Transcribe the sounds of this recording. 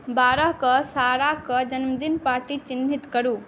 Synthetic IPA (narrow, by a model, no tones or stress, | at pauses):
baɾəɦkɔsaɾakɔd͡ʒənməd̪inpaɾʈit͡ʃinːit̪kəɾu